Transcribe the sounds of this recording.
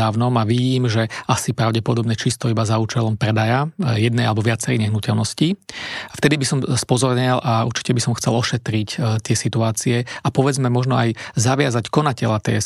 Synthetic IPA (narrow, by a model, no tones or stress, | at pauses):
aːʊnɔmaʋiɟiːmʒɛasipɾaʊɟɛpɔd̪ɔbɲɛt͡ʃist̪ɔibazauːt͡ʃɛlɔmpɾɛd̪ajajɛd̪nɛalɛbɔʋɪat͡sɛɾɛ̰ːɲɛɦnucɛlnɔscift̪ɛd̪ibisɔmspɔzɔɾɲɛlʔaṵɾt͡ʃi̥cɛbisɔmxt͡sɛlɔʃɛt̪ɾict̪ɪɛsit̪uaːt͡siɛapɔʋɛd͡zmɛmɔʒnɔajzaʋɪazackɔnacɛʎat̪ɛ̰